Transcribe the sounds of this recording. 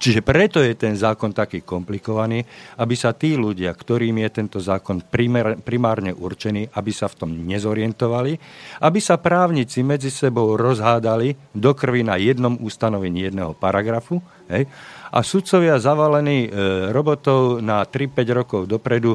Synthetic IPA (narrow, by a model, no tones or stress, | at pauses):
t͡ʃiʒɛpɾɛt̪ɔjɛt̪ɛnzaːkɔnt̪akiːkɔmplikɔʋaniːabisat̪iːluɟɪakt̪ɔɾiːmijɛt̪ɛnt̪ɔzaːkɔnpɾipɾimaːɾɲɛʔurt͡ʃɛniːʔabisaft̪ɔmɲɛzɔɾɪɛnt̪ɔʋaliʔabisapɾaːʊɲit͡simɛd͡zisɛbɔʊɾɔzɦaːd̪alid̪ɔkr̩ʋinajɛd̪nɔmust̪anɔʋɛɲiːjɛd̪nɛɦɔpaɾaɡɾafu | ɦɛjʔa̰sut̪t͡sɔʋɪazaʋalɛniːɾɔbɔt̪ɔʊnat̪ɾipɛɟɾɔkɔʊd̪ɔpɾɛd̪u